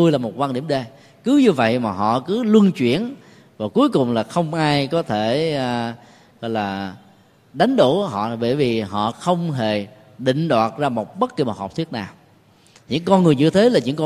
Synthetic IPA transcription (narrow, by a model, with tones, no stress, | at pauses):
t̪u˧jlaː˨˩mo˨˩t̚kwaː˧nɗi˧˩əmɗe˧˩ | kɨ˨˦ɲɨ˧və̰˧˨jmaː˨˩ɦɔ̰˧˨kɨ˨˦lɨ˧nt͡ɕwḭ˧˥˨ən | vaː˨˩ku˨˦jkʊ˨˩wŋ͡mlaː˨˩xə˧wŋ͡mʔaː˧jkɔ˨˦t̪ʰeː˧˩˨ | ɣɔ̰˧˨jlaː˨˩ | ɗa˨˦jŋ̟ɗo˧˩ɔ˧˦ɦɔ̰˧˨˩ɓə˧˩jvi˨˩ɦɔ̰˧˨xə˧wŋ͡mɦe˨˩ | ɗḭ̈˧˨ŋ̟ɗwaː˨˩t̚zaː˧mo˨˩t̚ɓə˦˥t̚ki˨˧˩ma˨˩hɔː˨˩p̚t̪ʰi˦˥ət̚naː˨˩w | ɲɨ̰˧˥ŋkɔ˧nŋɨ˨˩əjɲɨ˧t̪ʰe˨˦laː˨˩ɲɨ̰˧˥ŋkɔ˧